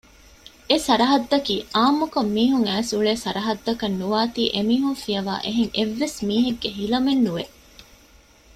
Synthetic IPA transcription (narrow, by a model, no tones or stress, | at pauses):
esɐɾɐɦɐd̪ːɐkiːaːmːukomːiːɦuŋæːsuɭeːsɐɾɐɦɐd̪ːɐkɐnːuʋaːt̪iːʔemiːɦuŋfijɐʋa̰ːʔeɦeŋeʋːesmiːɦeɡːeɦilɐmenːuʋe